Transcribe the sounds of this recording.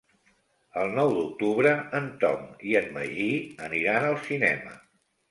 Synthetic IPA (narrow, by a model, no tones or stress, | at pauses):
əlˠnɔwd̪uk̚t̪uβɾəənt̪ɔ̰miənmə̰ʒiəniɾanəlˠsinɛ̰mə̰